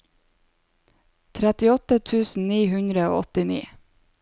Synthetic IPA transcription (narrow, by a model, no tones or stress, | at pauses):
t̪ʰɾɛt̪ɪɔt̪ət̪ʰʉːsn̩niːhʉnd̪ɾəo̰ːɔt̪ɪnḭː